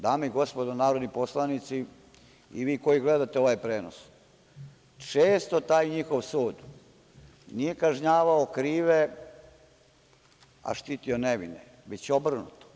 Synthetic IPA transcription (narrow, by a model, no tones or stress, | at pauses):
d̪aːmeiɡo̞spod̪onaːɾod̪nipo̞slˠanit̪si | ḭʋiːko̞jiɡled̪at̪eo̞ʋajpɾeːno̰s | t͡ʃeːst̪ot̪aːjɲixo̞ʋsuːd̪ | nije̞kaʒɲaːʋaokɾiːʋe | a̰ʃt̪it̪ioneʋḭnḛ | ʋet͡ɕeobr̩nṵt̪o̥